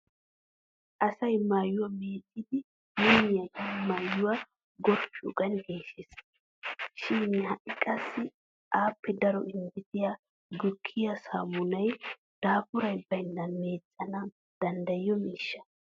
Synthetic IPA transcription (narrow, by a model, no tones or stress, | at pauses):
ʔɐsɐjmaːjʊwameːt͡sʼːɪd̪ɪ | minɪjɐʔɪmːaːjʊwa | ɡɔɾpːɪɔɡɐnɡeːʃes | ʃɪnhɐʔɪkʼɐsːɪ | ʔaːpʰːɛd̪ɐɾɔʔɪnbɪt̪ɪja | ɡʊkʰːɪjɐsa̰ːmʊnɐj | d̪̥aːfʊɾɐjbɐjnːɐnmeːt͡sʼːɐnɐ | d̪̥ɐnd̪ɐjːɔmiːʃːɐ̥